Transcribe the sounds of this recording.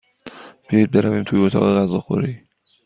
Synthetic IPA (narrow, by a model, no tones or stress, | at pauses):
b̥ejɒjd̪̚beɾæviːmt̪ʰujeot̪ʰɒ̰ːɣeɣæzɒːxo̰ɾiː